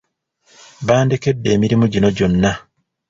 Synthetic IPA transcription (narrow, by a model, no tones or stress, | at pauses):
βaːndeke̞dːe̞ːmiɾimuɟino̞ɟo̞nːa